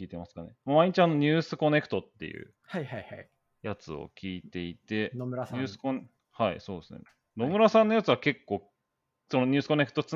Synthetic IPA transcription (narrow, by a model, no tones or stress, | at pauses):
kʲiːt̪e̞masɨ̥kanemamaiɲ̟it͡ɕʲiano̞ɲ̟ɨːsɨko̞ne̞kɯ̥t̪o̞t̪ːe̞̰jɯ̟̰ | haihaha | jat͡sɨo̰kʲiːt̪e̞it̪e̞nomɾasɲʲɨːsɨ̥kon | haḭso̞ːd̪esɨnḛ | no̞mɯ̟ɾasãnːo̞jat͡sɨβake̞kːo̞ː | sonoɲ̟ɨ̟ːsɨ̥ko̞ne̞kɯ̟̥t̪o̞t͡sɨ